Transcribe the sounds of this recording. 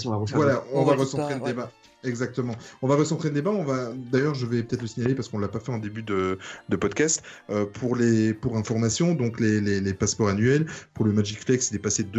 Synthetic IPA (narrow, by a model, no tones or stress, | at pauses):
vwalaɔ̃vaʁəsɑ̃t̪χeld̪eba | ɛɡzak̚t̪əmɑ̃ɔ̃vaʁəsɑ̃t̪χed̪d̪ebãɔ̃vad̪ajœʁʒəvɛpø̥t̪ɛt̪χləsiɲalepaʁsə̥kɔ̃əlapafɛɑ̃d̪ebyd̪əd̪əpɔd̪kast̪øpʰuʁlepuʁɛ̃fɔʁmasjɔ̃d̪ɔ̃klelelepaspɔʁanɥɛlpuʁləmaʒikflɛksid̪epased̪